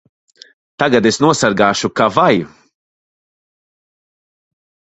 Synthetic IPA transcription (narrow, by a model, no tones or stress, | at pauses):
t̪aɡad̪esnuɔsaɾɡaːʃukavaj